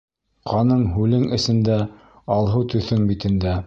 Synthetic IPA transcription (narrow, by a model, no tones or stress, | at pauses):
qʰɑnɤɴɦʉlɘŋɘ̆sɘ̆nd̪æ | ɑlˠɦɤwt̪ɵ̆θɘŋbit̪ɘ̆nd̪æ